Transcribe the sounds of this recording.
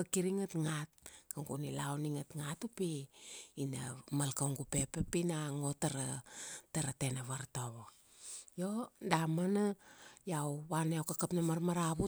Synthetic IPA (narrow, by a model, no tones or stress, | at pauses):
akiɾiŋatŋat̚kaŋɡunilawniŋatŋatupiinamalkaŋɡupepepinaŋotaɾataɾate̞naβaɾtaβo | jo̞damanajawβaneowkakapnamaɾmaɾaβu